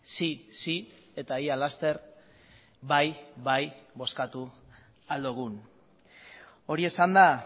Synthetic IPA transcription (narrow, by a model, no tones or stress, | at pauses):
sisi | e̞t̪aialast̪e̞ɾ | bajβajβo̞skat̪u | ald̪uɣ̞un | o̞ɾie̞sand̪a